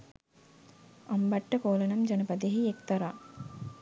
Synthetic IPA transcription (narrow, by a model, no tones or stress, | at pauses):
ɐmbɐʈːəkoːlɐnɐmd͡ʒɐnɐpɐd̪eɦiekt̪ɐɾaː